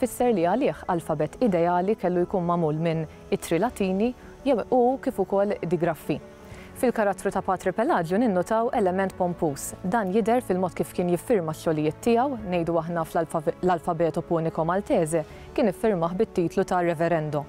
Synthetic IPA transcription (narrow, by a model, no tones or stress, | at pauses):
fɪsːɛɾliɐlɪːħɐlfɐbɛt̪ɪd̪ɛɐːlikɛlːujkuːnmɐmuːlmɪn | ɪt̪ːɾɪlɐt̪iːni | ukiːfʊkɔlːd̪ɪɡɾɐfːi | fɪlkɐɾɐt̪ːɾut̪ɐpɐːt̪ɾɪpɛlɐːd͡ʒjunɪnːʊt̪ɐwʔɛlɛmɛnt̪̚pɔmpuːsd̪ɐːnjɪd̪ɛɾfɪlmɔːt̪kiːfkɪːnjɪfːɪɾmɐʃːɔlɪjɪːt̪ːɪjɐwnɛjd̪uɐħnɐflɐlfɐbɛːt̪ɔpʊːnɪkɔmɐlt̪ɛːzɛ | kɪːnɪfːɪɾmɐħbɪt̪ːiːt̪lut̪ɐrɛfɛɾɛnd̪ɔ